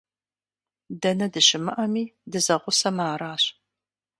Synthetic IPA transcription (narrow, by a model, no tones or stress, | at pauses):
dɐnɐdɨɕɪmɨʔɐmiːdɨzɐʁʷʊsɐmaːɾaːɕ